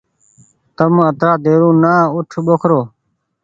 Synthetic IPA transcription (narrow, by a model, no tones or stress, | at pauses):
t̪əmət̪ɾaːd̪eːɾũːnaːʊʈʰɓokʰɾoː